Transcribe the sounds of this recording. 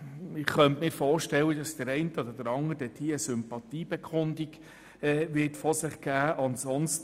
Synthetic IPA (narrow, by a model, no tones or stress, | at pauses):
ɪχχœntmɪːɾfɔːɾʃtɛlːəd̥ɑsd̥əɾɛɪntəɔd̪əɾd̥əɾɑŋəɾdɛd̥iːəsʏmpɑtiːb̥ɛkʰʊndiɡ | ɛːʋɪtfɔsɪχɡ̥æːʔɑnsɔnst